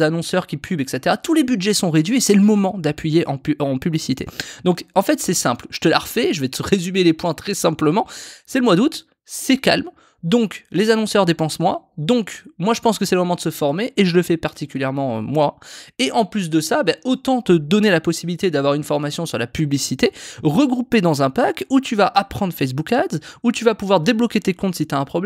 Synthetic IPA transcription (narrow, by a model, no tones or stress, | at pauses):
anɔ̃sœʁkʲipʰybɛkset̪eʁat̪ulebyd̪ʒɛsɔ̃ʁed̪ɥiesɛləmɔmɑ̃d̪apɥijeʔɑ̃ɑ̃pyblisit̪ḛd̪ɔ̃kɑ̃fɛt̪sɛsɛ̃plʒ̥ə̥t̪əla̰ʁfɛʒəvɛt̪əʁezymelepwɛ̃t̪χɛsɛ̃pləmɑ̃sɛləmwad̪ut̪ | sɛkʲa̰lm | d̪ɔ̃klezanɔ̃sœʁd̪epɑ̃smwad̪ɔ̃kmwaʒəpɑ̃skəsɛləmɔmɑ̃d̪əsəfɔʁmeʔːʒələfɛpaʁt̪ikʲyljɛʁmɑ̃mwaeʔɑ̃plys̬d̪əsabaʔot̪ɑ̃t̪əd̪ɔnelapɔsibilit̪ed̪avwaʁynfɔʁmasjɔ̃syʁlapyblisit̪eʁəɡʁuped̪ɑ̃zɛ̃pakut̪yvaʔapχɑ̃d̪ʁfɛs̬bukad̪zut̪yvapuvwaʁd̪eblɔkʲet̪ekɔ̃t̪sit̪yaɛ̃pχɔblɛ